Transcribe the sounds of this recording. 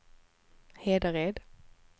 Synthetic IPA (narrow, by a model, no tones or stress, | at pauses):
heːd̪əʁeːd̪